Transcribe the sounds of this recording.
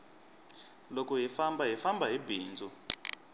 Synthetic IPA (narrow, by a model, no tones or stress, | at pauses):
lokuɦifambaɦifambʱaɦibiːnd͡zʱu